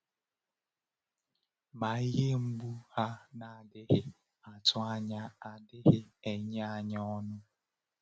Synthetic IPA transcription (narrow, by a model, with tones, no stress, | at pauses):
ma˨i˦ɦe˦ŋ͡m̩˦ɡ͡bu˦ha˦na˨a˨dɪ˦ɦɪ˦ | a˨tʰʊ˦a˦ɲa˦a˨dɪ˦ɦɪ˦e˨ɲ˦a˨ɲa˦ɔ˦nʊ˦